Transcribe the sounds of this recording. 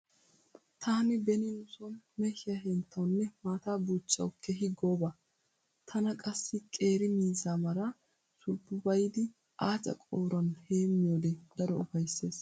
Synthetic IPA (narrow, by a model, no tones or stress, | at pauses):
t̪ʰaːnɪbɛnɪnʊsɔnmɛʃɪjɐɦɛnt̪ʰːɐwnːɛmaːt̪aːbuːt͡ʃːɐ̰wkʰːɛɦɪɡoːbɐ | t̪ʰɐnɐkʼɐsːɪkʼe̞ːɾɪmiːzaːmɐɾɐ | sʊlbːʊbɐjd̪ɪ | ʔaːt͡sʼɐ̰kʼoːɾɔnheːmːɪjoːd̪ɛd̪̥ɐɾɔʊfɐjsːe̞ːs